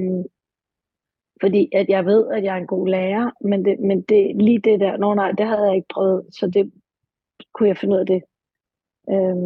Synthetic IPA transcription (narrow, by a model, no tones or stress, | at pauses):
m | fɒ̽d̥ḭːʔæd̥jɑ̈ɪʋe̝ð̞̰ˠæd̥jɑ̈ɐenɡ̥o̝̰ːlɛːɐmend̥emend̥e̝liːd̥e̝d̥æɐ̰noːnɑ̈ɪ̰d̥eɦæð̩ˠjɑ̈ɪe̝ɡ̥̚pʰʁœːʊð̞̩ˠsɒ̽d̥e̝ | kʰujɑ̈ɪfenuð̞̰ˠɐd̥e̝ | ʔø